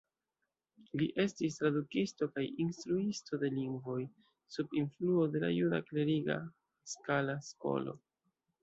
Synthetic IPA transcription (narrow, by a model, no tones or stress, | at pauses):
liʔe̞stist̪ɾadukisto̞kajinstɾuisto̞de̞liŋɡvo̞j | subinfluo̞de̞la̰juɾa̰kle̞ɾiɡa̰ | skalasko̞̰lo̞̰